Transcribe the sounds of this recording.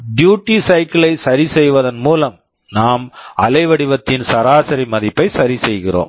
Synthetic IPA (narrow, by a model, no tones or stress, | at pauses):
ɖjuːʈːisɐɪkɪlɐɪsɐɾisɛjʋɐðɐnmuːlɐm | naːmɐlɐɪʋɐɽɪʋɐt̪ːɪnsɐɾaːsɐɾiɪmɐðɪpːɐɪsɐɾisɛjɣɪro̰ːm